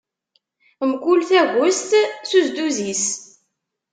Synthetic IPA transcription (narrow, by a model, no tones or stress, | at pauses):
mkʷulθæʝʊst̪suzd̪uzis